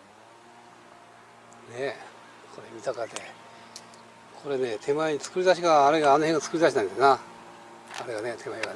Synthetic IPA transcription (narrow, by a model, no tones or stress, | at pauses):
ne̞ | kʰo̞ɾe̞mʲit̪akad̪e̞ | kʰo̞ɾe̞ne̞ːt̪ʰe̞maeɲ̟it͡sɨ̥kɯ̟ɾʲid̪aɕ̬iɡaːɾe̞ɡaːno̞heŋɡat͡sɨ̥kɯ̟ɾʲid̪aɕinãnd̪ena | aɾe̞ɡane̞t̪ʰe̞maeɡa